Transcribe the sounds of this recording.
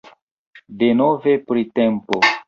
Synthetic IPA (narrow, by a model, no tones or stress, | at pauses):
de̞nove̞pɾitempo